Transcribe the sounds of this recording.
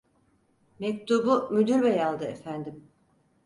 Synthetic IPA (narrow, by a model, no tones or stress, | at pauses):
mɛc̚t̪ʰubumyd̪yɾbɛjalˠd̪ɯefænd̪im